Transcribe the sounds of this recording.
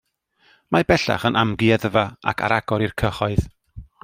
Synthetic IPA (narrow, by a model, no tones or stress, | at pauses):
mabɛɬa̰χənʔamɡiaðəvaa̰kʰa̰ɾaɡ̥ɔɾirkʰəχɔɨð